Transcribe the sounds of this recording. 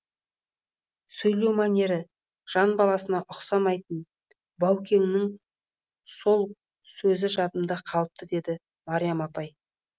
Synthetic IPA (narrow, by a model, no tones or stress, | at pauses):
sɵjle̞wmanʲe̞ɾɪ | ʒ̥ɑnbɑlˠɑsənɑʔʊqsɑmɑjt̪ən | bɑwkʲe̞ŋnɪŋ | so̞lˠ | sɵzɪʒɑt̪əmd̪ɑqʰɑlˠəp̚t̪əd̪e̞d̪ɪ | mɑɾijamɑt̪ɑj